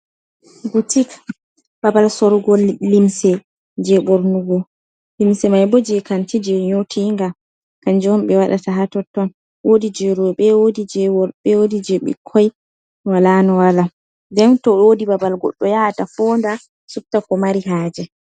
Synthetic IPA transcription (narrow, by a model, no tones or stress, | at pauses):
ɡutik | babalsɔɾɡɔlːimsɛ | d͡ʒɛɓoɾnuɡɔ | limsɛmajbɔd͡ʒɛkantid͡ʒɛɲotʰiŋɡa | kand͡ʒɔmɓɛwaɗataɦatɔtːɔn | wodid͡ʒɛɾuɓɛwodid͡ʒɛɔɓɛwodid͡ʒɛɓɛ̰kʰɔj | walanɔwala | dɛntɔodibabalɡɔ̰ɗːɔjatafɔnda | suk̚takɔmaɾiɦaːd͡ʒɛ